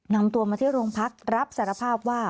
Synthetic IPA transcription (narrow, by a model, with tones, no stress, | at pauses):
na˧mt̪u˧ɐmaː˧t̪ʰiː˥˩ɾoː˧ŋpʰa˦˥k̚ɾa˦˥p̚saː˩˦ɾa˧pʰaː˥˩p̚waː˥˩